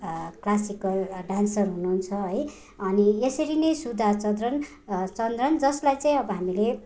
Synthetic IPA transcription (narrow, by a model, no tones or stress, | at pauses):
klasikʌlɖansʌrɦunuɦːnt͡sʰʌɦʌj | ʌniesʌɾinʌjsud̪ʱat͡sʌd̪rʌn | t͡sʌnd̪rʌnd͡zʌslajt͡saĩʌbʌɦamile